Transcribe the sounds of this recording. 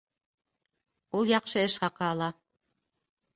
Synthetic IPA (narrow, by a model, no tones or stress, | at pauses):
ulˠjɑqʃɤɘ̆ʃχɑqɑːlˠɑ